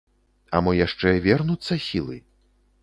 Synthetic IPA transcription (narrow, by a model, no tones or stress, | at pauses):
ɐ̰mɔjaʂt͡ʂɛvʲɛrnut̪sːɐsʲilˠɨ̰